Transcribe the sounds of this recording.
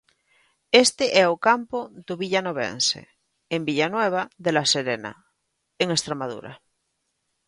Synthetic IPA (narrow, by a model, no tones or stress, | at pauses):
est̪eʔɛokampoðoβiʎanoβ̞ḛnsḛ | embiʎanweβ̞aðelaseɾena̰ | eŋest̪ɾemaðṵɾa̰